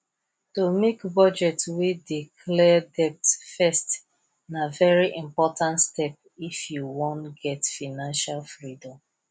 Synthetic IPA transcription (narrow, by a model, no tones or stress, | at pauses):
tomekbɔd͡ʒɛtwidikʰlɛdɛp̚tfɛst | navɛɹiʔĩmpɔtãntstɛp̚ifjuwɔ̃ntɡɛtfanãnʃalfɹidɔ̃m